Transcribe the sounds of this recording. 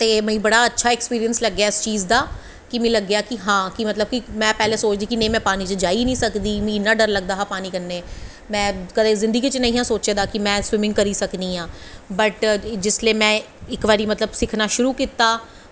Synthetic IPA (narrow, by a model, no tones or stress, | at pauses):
t̪eːməĩːbəɽaːətːʃʰaːɛːkspiːɾijənsləɡːjaːɪst͡ʃiːzd̪aː | kimĩːləɡːjaːkiɦãːkimət̪ləb̚kimɛ̃ːpɛːleːsoːt͡ʃd̪iːkinẽĩmɛ̃ːpaːniːt͡ʃəd͡ʒaːinĩːsəkd̪iːmĩnaɖəɾləɡd̪aːɦaːpaːniːkənːeː | mɛ̃ːkəd̪ẽːzɪ̃nd̪əɡiːt͡ʃənə̃ĩːɦãːsoːt͡ʃeːd̪aːkɪmɛ̃ːswɪmɪ̃ŋɡkəɾiːsəknĩːɦãːbəʈd͡ʒɪslieːmɛ̃ː | ɪkʋaːɾiːmət̪ləbsɪkʰnaːʃʊɾuːkit̪aː